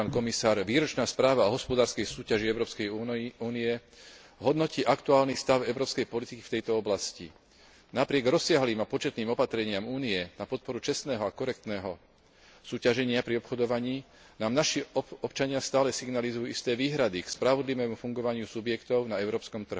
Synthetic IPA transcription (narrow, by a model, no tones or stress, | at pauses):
aːnkɔmisaːɾʋiːɾɔt͡ʃnaːspɾaːʋaɔɦɔspɔd̪aːɾskɛjsuːcaʒiɛʊɾɔːpskɛjuːniɛ | ɦɔd̪nɔciːʔakt̪uaːlnist̪aʊɛʊɾɔːpskɛjpɔlit̪iki̥ft̪ɛjt̪ɔɔblascḭ | napɾɪɛɡɾɔsːɪaɦliːmapɔt͡ʃɛt̪niːmɔpat̪ɾɛɲɪamuːniɛnapɔt̪̚pɔɾut͡ʃɛst̪nɛːɦɔakɔɾɛk̚t̪nɛːɦɔ | suːcaʒɛɲɪapɾiɔpxɔd̪ɔʋaɲiː | naːmnaʃiɔɔpt͡ʃaɲɪast̪aːlɛsiɡnalizujuist̪ɛːʋiːɦɾad̪ikspɾaʋɔd̪liʋɛːmufuŋɡɔʋaɲɪusubjɛkt̪ɔʊnaɛʊɾɔːpskɔmt̪r̩ɦu